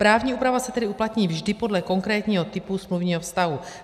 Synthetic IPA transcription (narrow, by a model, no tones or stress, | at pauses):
pɾaːvɲiːuːpɾavasɛt̪ɛdɪuplat̪ɲiːvʒdɪpo̞dlɛko̞ŋkɾɛːt̪ɲiːɦot̪ɪpusmluvɲiːɦofst̪aɦu